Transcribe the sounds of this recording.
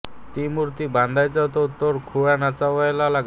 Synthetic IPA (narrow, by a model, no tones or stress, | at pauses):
t̪imuɾt̪ibãnd̪ʱajt͡sat̪ɔt̪ɔɾkʰuanat͡saʋəjlalaɡ